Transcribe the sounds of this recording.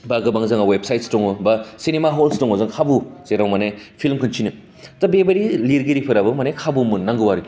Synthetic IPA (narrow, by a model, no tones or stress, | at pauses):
baɡɐbaŋzaŋawep̚sajtstɔŋubasinemaɦolstɔŋɔzɯŋkʰabuzeɾawmanepʰilmkʰɯnt͡ʃʰinɯ | tɐbebɐɾiliɾɡiɾipʰɯɾabɯmanekʰabumɯnnaŋɡɯwaɾɯk